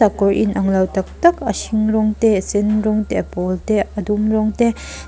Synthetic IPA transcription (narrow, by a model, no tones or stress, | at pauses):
akɔɾʔḭnʔɐŋlawtɐk̚tɐkɐsiŋɾɔŋtesenɾɔŋtepɔlteɐdumɾɔŋte